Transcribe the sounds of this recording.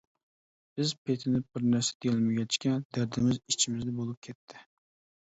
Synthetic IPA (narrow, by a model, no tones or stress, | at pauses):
b̥ɪzpʰet̪ʰɪnɪbɪɾnæɾsɛ̥d̪̥ejlˠmɪɡʲɛt͡ʃkʲɛd̪æɾd̪ɪmɪzit͡ʃʰɪmɪzd̪ɛbolˠɨp̚kʲʰet̪ʰːɪ